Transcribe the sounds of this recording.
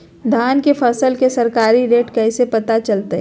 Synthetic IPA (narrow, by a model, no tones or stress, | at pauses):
d̪ʱaːnkefʰɐsəlkesɐɾkaːɾiɾeːʈkɛːsepɐt̪at͡ʃɐlt̪ḛɦ